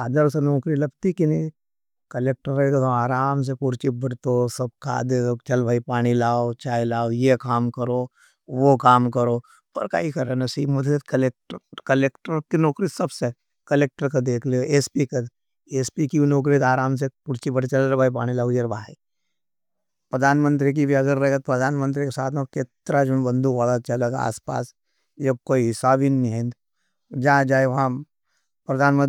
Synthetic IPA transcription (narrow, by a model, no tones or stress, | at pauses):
aːd̪əɾʊsenɔːkɾilɐbt̪ikini | kɐleːk̚ʈəɾekt̪oaːɾaːms̬epʊɾt͡ʃibɐɽt̪osɐb̚kʰa̰ːd̪eot͡ʃɐlbʱaːipaːɽ̃ilaːot͡ʃaːilaːojekaːmkɐɾoː | ʋokaːmkɐɾoː | pɐɾka̰ːikɐɾenɐsiːmɐd̪ʰʱt̪kɐleːk̚ʈkɐleːkʈəɾkinɔːkɾisɐbse | kɐleːk̚ʈəɾkad̪eːkʰleʔeːspikɐ | eːspikinoːk̬ɾit̪aːɾaːms̬epʊɾt͡ʃibɐɽet͡ʃɐlɾbaːipaːɽ̃ilaɡud͡ʒeɾbaːi | pɾɐd̪ʱaːnmə̃nt̪̬ɾik̬ibʱiɐɡəɾːɐeɡət̪̚pɾɐd̪ʱaːnmə̃nt̪ɾikesaːt̪ʰokeːt̪ɾad͡ʒʊnbə̃nd̪ʱuʋaːlat͡ʃɐleɡa̰ːspa̰ːs | jɐb̚koːiɪsaːbinːiɦẽnd̪ | d͡ʒaãd͡ʒaːeɦã | pɾɐd̪ʱaːnmə